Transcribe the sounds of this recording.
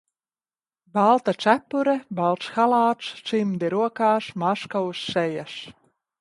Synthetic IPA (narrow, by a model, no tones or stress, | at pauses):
balˠt̪at̪sæpːuɾɛbalˠt̪sxalˠaːt̪st̪simd̪iɾuɔkaːʃmaʃkausːɛjas